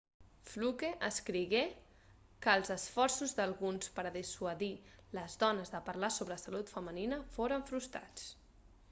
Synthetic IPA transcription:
flukeʔəskɾiɣe | kəːlˠzəsfɔɾsuzðəlˠɣunspəɾðiswəðiləzðɔnəzðəpəɾlasoβɾəsalut̪fəməninəfoɾəɱfɾust̪ɾa̰t͡s

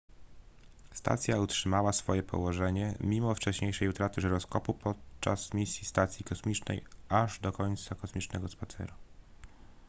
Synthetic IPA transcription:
st̪a̰t̪sʲjautʂɘmawasfɔjɛpʰɔ̰wɔʐɛɲɛmʲimɔft͡ʂɛɕɲejʂɛjut̪ɾat̪ɘʐɛɾɔskɔpupɔt̪̚t͡ʂa̰smʲisʲjist̪at̪sʲjikɔsmʲit͡ʂnɛ̰jʔaʐd̪ɔkɔɲt̪sakɔsmʲit͡ʂnɛɡɔspat̪sɛ̰ɾu

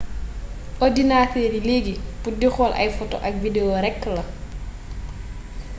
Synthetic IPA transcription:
ʔɔdinaːtɛɾileːɡipudixɔlʔɐ̰jfɔtɔ̰ʔɐk̚videoɾɛkːəlɐ

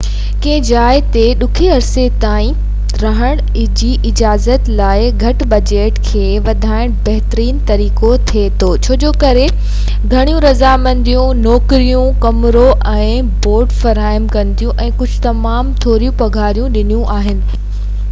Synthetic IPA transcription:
kẽɪ̃d͡ʑaːɪt̪eɗʊkʰeɐɾset̪aːĩ | ɾɐɦəɽ̃ | d͡ʑiːʔɪd͡ʑaːzət̪laːɪɡʱɐʈbɐd͡ʑeːʈkʰeːʋɐd̪ʱaːɪɽ̃bɐɦt̪ɾiːnt̪ɐɾiːkot̪ʰiet̪ʰoːt͡ɕʰoːd͡ʑoːkɐɾe | ɡʱɐɽ̃ijũɾɐzamɐ̃nd̪ijũnɔːkɾijũkɐmɾoʔɛ̃ː | boːɾʈfɐɾaːəmkɐ̃nt̪ijũʔɛ̃ːkʊd͡ʑʱɪt̪ɐmaːmt̪ʰoːɾijũpɐɡʱaːɾijũɗɪnijũʔaːɦɪnɪ̆

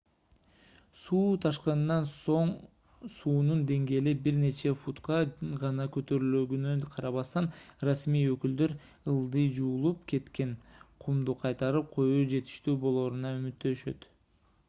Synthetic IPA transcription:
suːt̪ʰɑʃqɑnːɑnso̞ɴ | suːnund̪e̞ŋɡe̞ːlibiɾne̞t͡ʃe̞fut̪qɑʁɑnɑkøt̪ø̞ɾyløɡynønqʰɑɾɑβɑst̪ɑnrasmijøkyld̪ø̞ɾ | ɯlˠd̪ɯjd͡ʒuːlˠupkʰe̞t̪ke̞nqʰumd̪uqʰɑjt̪ɑɾɯp̚qʰo̞juːd͡ʒe̞t̪i̥ʃt̪yːbo̞lˠo̞ːɾunɑymyt̪ːø̞ʃø̞̰t̪

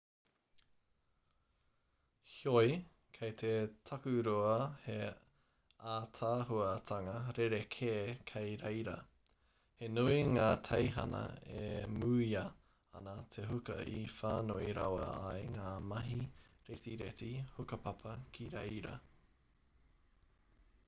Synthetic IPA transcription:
hjoj | kʰɐjt̪ʰetʰɐkʉɾoɐhe | aːtʰaːɦuɐtʰɐŋɐɾeɾekʰeːkʰɐjɾejɾɐ̰ | henuiŋaːtʰɐjɦɐ̰nɐ̰ḛmuːjɐ | ɐ̰nɐtʰeɦukɐ̰ʔḭfaːnoiɾa̰wɐ̰a̰jŋaːmɐɦiɾetiɾḛtihukɐpɐpʰɐkʰiɾḛjɾɐ̰

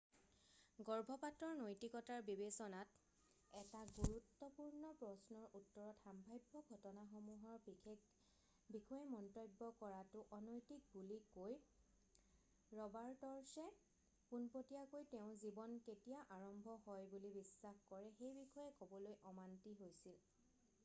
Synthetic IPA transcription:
ɡɔɹbʱɔpatɹɔɹnojtikɔtaɹbibesɔnat | ɛtaɡuɹutːɔpuɹnɔpɹɔsnɔɹʔutːɔɹɔtxambʱajbʱːɔɡʱɔtɔnaxomuɦɔɹbi | bikɔjɛmɔntojbːɔkɔɹatʊʔɔnɔjtik̚bulikoj | ɹɔbaɹtɔɹsɛ | punpotijakojtɛʊ̃zibɔnketijaʔaɹɔmbʱɔɦɔjbulibisːaxkɔɹɛxejbixʰɔjɛkobɔlojʔɔmantiɦojsil

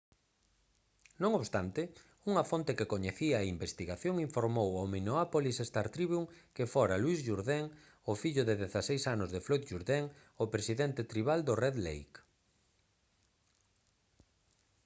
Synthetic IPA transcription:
nõŋoβst̪ant̪ɪ | uŋɐfont̪ekekoɲeθiaimbest̪iɣaθjoŋiɱfoɾmowaminoapolisest̪aɾt̪ɾiβjuŋkefoɾalwizʝuɾðɛŋ | ofiʎʊðeðeθasejsanʊzðeflojt̪ʒuɾðɛŋ | opɾesiðent̪et̪ɾiβald̪orɛðlḛjk

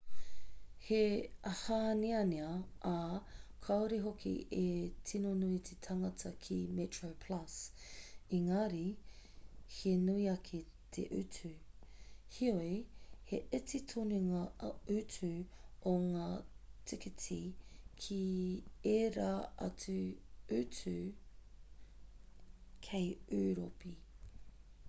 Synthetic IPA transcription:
heɐhaniɐniɐakʰɐoɾiɦokʰḭetʰinonuitʰetʰɐŋɐtʰɐkʰimetɹopʰlɐs | iŋaɾi | henuiɐkʰe | tʰḛʔʉ̰tʉ | hioeheʔɪtitʰoniŋɐʉt͡sʉoŋaːtʰɪkitʰikʰieɾaɐ̰t͡sʉʉt͡sʉ | kʰejʉːɾopi

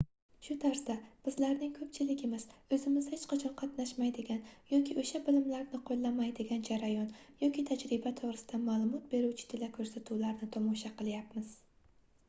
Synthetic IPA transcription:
ʃʊt̪ʰaɾsab̥ɪzlaɾnɪŋkʰɵpt͡ʃʰɪlɪɡʲɪmɪz̥ɵzɪmɪzhet͡ʃqɑt͡ʃʰɒnqʰɑt̪naʃmajd̪ɪɡʲanjɒkʲʰɪʔoʃabɪlɪmlaɾnɪqʰolˠlːamajd̪eɡʲand͡ʒaɾajɒnjɒkʲɪt̪ʰad͡ʒɾɪbat̪ʰoʁɾɪsɪd̪amaːlˠʊmɒt̪̚be̞ɾuwt͡ʃʰɪ̥t̪ʰɪlakʰɵɾsat̪ʰuwlaɾnɪt̪ʰɒmɒʃaqɨlˠjapmɪz̥

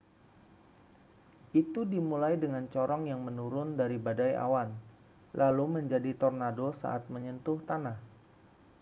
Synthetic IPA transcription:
ʔit̪udimulajdəŋant͡ʃɔɾɔŋjaŋmənuɾʊndaɾibadaja̰wan | lʔaluməɲd͡ʒadit̪ɔrnadosa̰ʔat̪̚məɲənt̪ʊht̪anah

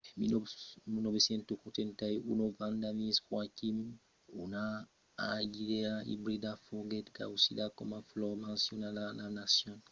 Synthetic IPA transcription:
minomunobesɛ̃ntokũtẽntaiunovãndamĩsxwakim | ṵna | aɡideaḭbɾidafoɡɛtka̰usidakɔmaflɔmãnsjɔnalananasjɔ̃n

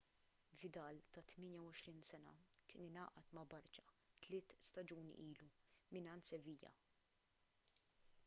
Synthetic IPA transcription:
vɪd̪ɐːlt̪ɐt̪mɪːnjɐwɔʃɾiːnsɛnɐ̰kɪːnɪnɐːʔɐt̪mɐbɐɾt͡ʃɐ̥ | t̪lɪːt̪st̪ɐd͡ʒuːn̰ʔiːlumɪnɐːnt̪sɛviːjɐ̰

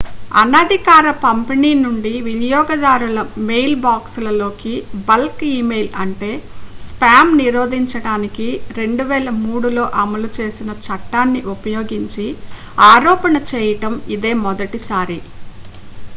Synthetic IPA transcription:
ɐ̰nɐd̪ʱikaːɾɐpɐmpeniːnuɳɖiʋinijɔːɡɐd̪aːɾulɐmejlbaːkslɐlo̞ːkibɐlkiːmejlɐɳʈe̞ːspaːmniɾoːd̪ʱiɲt͡ʃɐɽaːnikiɾe̞ɳɖuʋɛːlɐmuːɽulo̞ːʔɐmɐlut͡ʃeːsinɐt͡ʃɐʈːaːnːiʔupɐjoːɡiɲt͡ʃi | aːɾɔːpɐnɐt͡ʃɛːjɐʈɐmid̪eːmɔd̪ɐʈisaːɾi

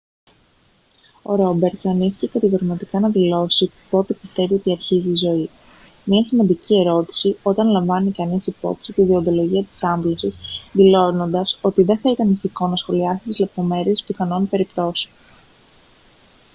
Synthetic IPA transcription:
o̞̰ɾo̞be̞ɾt̪sɐniθi̥ce̞kɐt̪iɣoɾmɐt̪ikɐnɐðilo̞sipo̞t̪e̞pist̪e̞vio̞t̪iɐɾçiziːzo̞i | mɲɐsimɐnd̪icie̞ɾo̞t̪i̥sio̞t̪ɐnlɐɱvɐnikɐnisipo̞̰psit̪iðiond̪o̞lo̞ʝiɐt̪i̥sɐɱblosisðilo̞no̞nd̪ɐso̞t̪iðenθɐit̪ɐniθiko̞nɐsxo̞liɐsit̪izle̞p̚t̪o̞me̞ɾie̞spixɐno̞npe̞ɾipt̪o̞seon

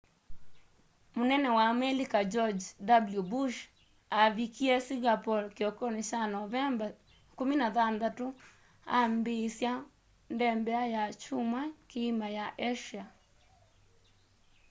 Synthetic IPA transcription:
monɛnɛwamɛlikad͡ʒɔd͡ʒdabljubuʃ | aβikiɛsiɣapɔɾkeɔkɔneʃanɔɛ | kominaðand̪ato | a̰mbesja | ndɛmbɛajat͡ʃumwakeimajaʔeʃia

